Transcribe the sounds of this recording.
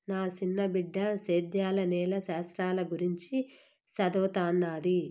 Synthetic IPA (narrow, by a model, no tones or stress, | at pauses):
naːsinːɐbiɖːɐseːd̪jaːlɐnɛːlɐʃaːst̪ɾaːlɐɡuɾiɲt͡ʃi | sɐd̪ɔːt̪aːnːaːd̪i